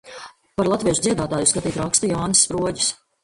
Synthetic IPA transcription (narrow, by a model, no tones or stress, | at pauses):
paɾlˠat̪vʲiɛʒud̪ziɛd̪aːt̪aːjuskat̪iːt̪ɾakst̪ujaːnɨsːpɾuɔɟi̥s